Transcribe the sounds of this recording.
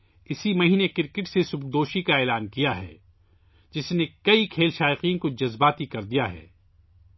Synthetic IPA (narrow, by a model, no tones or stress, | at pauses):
ɪsimɐɦiːnekɪɾkɪʈsesʊbd̪oːʃikaeːlaːnkijaɦɛ̰ː | d͡ʒɪsnekɐikʰeːlʃaːɪqiːnkod͡ʒɐzbaːt̪ikɐɾd̪ijaɦɛ̰ː